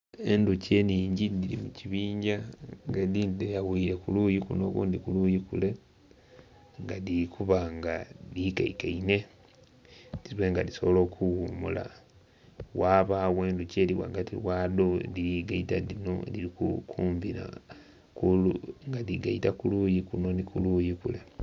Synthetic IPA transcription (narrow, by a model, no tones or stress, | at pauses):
enduce̞ːniːɲɟidiɾimuciβiːɲɟaŋɡedindejawuiɾe̞kulujikunokuːndikulujikule̞ | ŋɡadikʰuβaŋɡadika̰ikaine̞ | tiweŋɡadisoβolo̞ːkʰuɣumṵla̰ | waβaweːnduceːliwa̰ɡatiwaːdoliɾiɡaitadinoeliɾikṵkʰuːmviɾa̰ | kuluŋɡadiɡaitakulujikuno̞nikulujikule